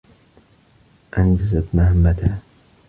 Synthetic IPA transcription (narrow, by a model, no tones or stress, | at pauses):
ʔand͡ʒazat̪mahamːat̪a